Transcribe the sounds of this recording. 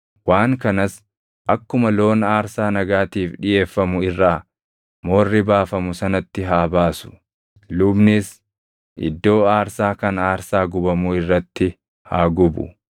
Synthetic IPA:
waːŋkɐnɐs | ʔɐkːʊmɐlo̞ːnaːɾsaːnɐɡaːt̪iːfᶑɪje̞ːfːɐmʊɪrːaː | moːrːɪbaːfɐmʊsɐnɐt̪ːɪɦaːbaːsʊ̥ | lʊbnɪs | ʔɪ̰d̪ːo̞ːaːɾsaːkɐnaːɾsaːɡʊbɐmʊɪrːɐt̪ːɪ | haːɡʊbʊ̰

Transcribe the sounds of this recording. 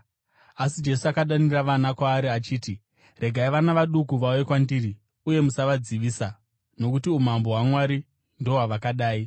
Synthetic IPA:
asid͡ʒe̞suakaɗaniraʋanakwaːɾiat͡ʃiːti | re̞ɡʱaiʋanaʋaɗukuʋawe̞kwandiri | uje̞musaʋad͡ziʋiːsa | no̞kutium̤ambo̞ɦwamwaɾi | ndo̞ɦaʋakaɗaːi

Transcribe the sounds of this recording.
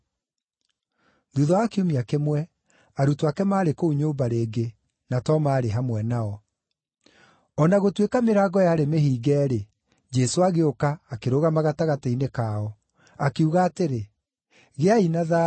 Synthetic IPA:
ðuðɔakeomiakemwɛ | aɾutwakɛmaːɾekouɲoːmbaɾeːɡe | natɔmaːɾeɦamwɛnaɔ | ɔnaɣotwekameɾaːɡɔjaːɾemeɦiːɡɛːɾe | d͡ʒɛsoaɣeokaːkeɾoɣamaɣataɣatainekaːɔ | akeuɣaːteɾe | ɣeainaða

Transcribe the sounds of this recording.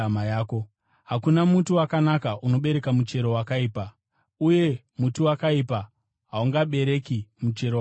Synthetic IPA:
majaːko | ɦakunamutuwakanakaʔuno̞ɓe̞ɾe̞kamut͡ʃe̞ɾo̞wakaiːpa | uje̞ | mutuwakaipa | ɦauŋɡaɓe̞ɾe̞kimut͡ʃe̞ɾo

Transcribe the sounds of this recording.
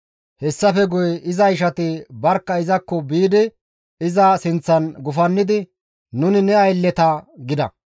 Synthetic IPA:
hɛsːɐfɛɡʊjɪzɐjɪʃɐt̪ɪbɐɾkːɐɪzɐkːɔbiːd̪ɪ | ɪzɐsɪnt͡sːɐnɡʊfɐnːɪd̪ɪ | nʊnɪnɛɐjlːɛt̪ɐɡɪd̪ɐ̰

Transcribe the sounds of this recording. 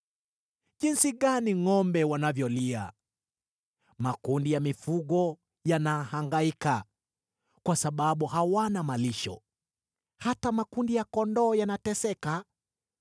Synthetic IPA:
ʄinsiɠaniŋɔmbɛwanavjɔlia̰ | makundijamifuɠɔ | janahaŋɡaika | kwasaɓaɓuhawanamaliʃɔ̰ | hatamakundijakɔndɔːjanatɛsɛka

